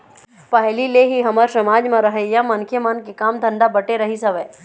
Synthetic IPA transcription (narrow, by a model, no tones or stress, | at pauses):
pɐɦlileɦiɦɐməɾsɐmaːd͡ʒmãɾɐɦejamɐnkʰjəmankekaːmd̪ʱɐ̃ɳɖabɐʈeɾɐɦisɐʋeː